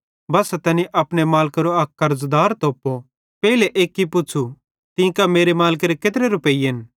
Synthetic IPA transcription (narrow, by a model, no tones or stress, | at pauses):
bɐːsat̪ɛːniʔɐpɽ̃emaːlkɾoɐkːɐɾzd̪aːɾt̪oːpːo | pɛileʔeːkːipʊːt͡ʃʰu | t̪ĩkameːɾemaːlk̬eɾeket̪̬ɾeɾʊpeːiɐn